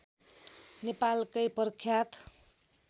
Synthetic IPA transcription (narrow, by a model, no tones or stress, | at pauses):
nepalkʌjpʌrkʰːjat̪